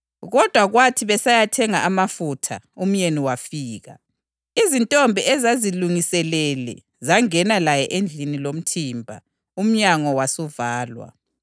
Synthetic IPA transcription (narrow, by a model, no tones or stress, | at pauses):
ɣɔd̥ʱwaɣwatʰiβɛsajatʰɛŋaamafutʰa | um̩ɲeniwafiːɣa̰ | izintʼɔmbʱiɛzaziluŋisɛlɛlɛ̰ | zaŋɛnalajɛʔend͡ɮʱinilom̩tʰiːmbʱa̰ | um̩ɲaŋɔwasuvaːlwa̰